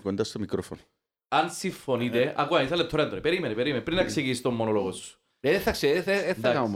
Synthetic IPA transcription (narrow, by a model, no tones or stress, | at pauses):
kond̪ɐst̪omikɾofono | ɐnsiɱfonit̪eʔɐkuɐiθɐlep̚t̪ʰoɾend̪onipeɾimenepeɾimenpɾinːɐkseɣist̪omːonoloɣosːu̥ | eðeθɐkseed̪akɐmom